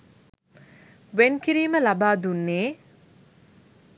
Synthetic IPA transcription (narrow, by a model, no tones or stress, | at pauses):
ʋenkiɾiːməlabaːd̪unːeː